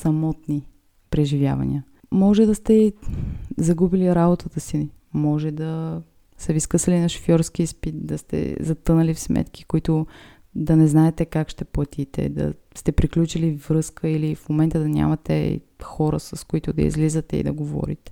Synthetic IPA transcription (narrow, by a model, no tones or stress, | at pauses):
sɐmɔt̪ni | pɾɛʒivja̰vɐnḭə | mɔʒɛd̪ɐst̪ɛi | zɐɡubiliɾabot̪ʰət̪əsi | mɔʒɛd̪ɐ | sɛviskɤsəlinɐʃo̥fjɔɾskispit̪d̪ɐst̪ɛ̰zɐt̪ɤnɐlifsmɛ̰t̪k̟ʰi̥koit̪ʊ | d̪ɐnɛznaɛt̪ɛkakʃt̪ɛplˠɐt̪ʰit̪ɛ̰d̪ɐ̰ | st̪ɛpɾiklʲut͡ʃilivɾɤskəilifmomɛnt̪əd̪ɐnʲa̰mɐt̪ɛ̰ | xɔɾə̰sɐskʊit̪ʊd̪ɐ̰ḭzlizət̪ɛḭd̪ɐɡovɔ̰ɾḭt̪ɛ̥